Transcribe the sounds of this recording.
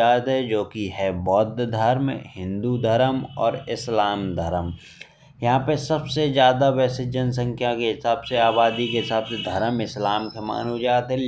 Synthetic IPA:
aːt̪ɦɛd͡ʒoːkiɦɛbɔːt̪d̪ʱəɾmhɪ̃nd̪ud̪ʱəɾəmɔ̰ːɾɪslaːmd̪ʱəɾəm | jɐɦãpəsɐbsed͡ʒjaːd̪aʋɛːsed͡ʒəns̬ə̃ŋkʰjakeɦɪsaːbseaːβaːd̪ikeɦɪsaːbsed̪ʱəɾəmɪslaːmkema̰ːnɦod͡ʒaːt̪ɦɛ

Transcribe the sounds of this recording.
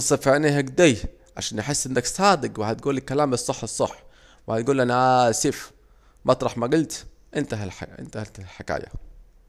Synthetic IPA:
ɑsːˤɑfeʕnehæɡd̪æj | ʕa̰ʃaːnjeħesːʔɪnːæksæːd̪ɪɡwɪhæt̪̚ɡuːlelkːælaːmɨsˤːɑħːesˤːɑħː | wɪhæt̪ɡuːlʔænæʔæsif | mʔɑt̪ˤɾˤɑħmæɡʊlt̪ | ʔɪnt̪æɦlħɪ̰nt̪æhælt̪lħekæ̰ːjæ̰

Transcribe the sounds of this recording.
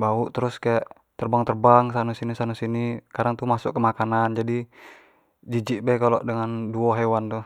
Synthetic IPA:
bauʔt̪əɾʊskajaʔ | t̪ərbaŋt̪ərbaŋsanusinisanusinikaɾaŋt̪umasʊʔkːəmakanand͡ʒadi | d͡ʒid͡ʒiʔbɛkalɔʔdəŋanduɔɦewant̪uh

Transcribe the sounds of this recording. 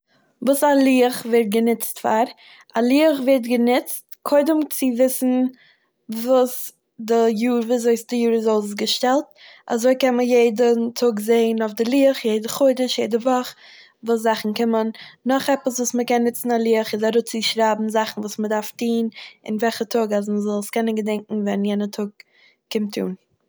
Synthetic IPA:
vuːsalˠiːəχvɛɾt̚ɡənɪt͡stfaɾ | alˠiːəχvɛɾtɡənɪt͡stkʰoɪdəmt͡sɪvɪsn̩ | vuːs | dɪjuːɾvuːzoɪsdɪjuːɾɪzos̬ɡəʃtɛlˠt̚ | a̰zoɪkɛnməjeɪdəntʰʊɡzeɪənʊfdɪlˠiːəχjeɪdəχoɪdəʃjeɪdəvɔχ | vuːs̬zaχn̩kɪmənːɔχɛpəsvuːsməkɛnːɪt͡sn̩alˠiəχɪzaɾʊt͡siʃɾabm̩zaχn̩vuːsmədaɾftiːnɪ̰nvɛlχətʰʊɡazməzɔlˠskɛnənɡədɛŋkŋ̩vɛnjɛnətʰʊɡ̚ | kɪmtʰːṵːn

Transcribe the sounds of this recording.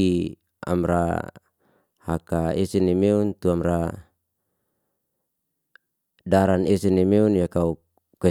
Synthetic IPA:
i | a̰mɾa̰ | hakaesɛnemeunt̪uamɾa | daɾanesenemeunjakau | kwɛ

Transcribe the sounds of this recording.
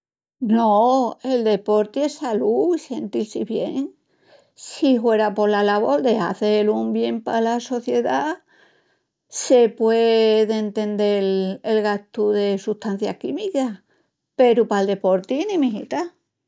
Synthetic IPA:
noe̞ld̪e̞po̞ɾt̪iesaluise̞nt̪ilsiβjḛŋ | siɦwe̞ɾapo̞lalaβo̞ɾd̪e̞ɦa̰θelumbje̞mpalaso̞θje̞ða | se̞pweðeːnt̪e̞nd̪e̞lelɣaht̪uðe̞suht̪an̟θja̰kimika | pe̞ɾupald̪e̞po̞ɾt̪inĩmĩɦḭt̪a

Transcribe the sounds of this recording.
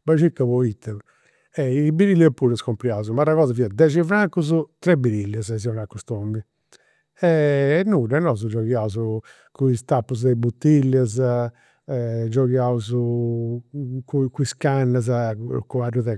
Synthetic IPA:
bɛʃikːaβɔit̪ːɛ | ɛibiɾilːɛpːuɾɛskompɾjauzumaɾaɣɔːzaviɛd̪ɛd͡ʒivɾaŋkuzut̪ɾɛbiɾilːɛzɛziɔnakːust̪ombi | ɛnːuɾɛnɔzud͡ʒɔɣjauzu | kuist̪apːuzd̪ɛbut̪ːilːɛz | d͡ʒɔɣjauzu | kukuiskanːaz̬akuaruðɛ

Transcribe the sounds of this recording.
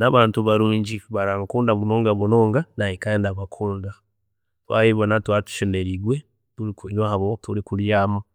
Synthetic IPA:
naβaːntuβaɾuːɲɟiβaɾamkuːndaβunoːŋɡaβunoːŋɡanajikaeːndaβakʰuːnda | twa̰hiβonatwaːtu̥ʃeneɾiɡwe | tuɾikuɲwahaβotuɾikuljaːma

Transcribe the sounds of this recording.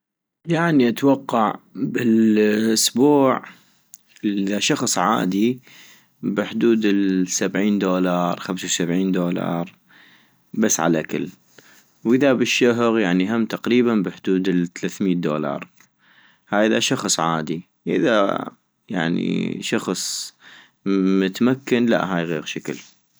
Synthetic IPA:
jaʕniʔat̪wɑqːɑʕbɪlʔʊsbuːʕ | ʔðaʃɑxsˤʕa̰ːd̪i | bɪħd̪uːd̪ɪsabʕiːnd̪oːlɑːɾˤxamsawsabʕiːnd̪oːlɑ̰ːɾˤ | basːʕa̰lʔakɪ̰l | wʔɪðabɪʃːʊɦʊɣjaʕniɦamːt̪aqɾiːbanbɪħd̪uːd̪ɪθalaθmiːt̪̚d̪o̰ːlɑ̰ːɾˤ | haːjɪðaʃɑxsˤʕaːd̪i | ʔɪ̰ða̰ | ja̰ʕnḭʃɑxsˤ | mʊt̪makːanla̰ʔɦaːjɣḭːɣʃakɪ̰l

